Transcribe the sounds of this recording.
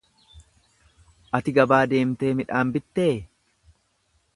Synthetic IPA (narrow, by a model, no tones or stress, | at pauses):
ʔɐt̪ɪɡɐbaːd̪e̞ːmt̪e̞ːmɪᶑaːmbɪt̪ːeː